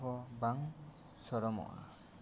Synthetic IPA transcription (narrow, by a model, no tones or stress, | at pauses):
ɔbaŋ | sɔɾɔmɔ̰ʔa̰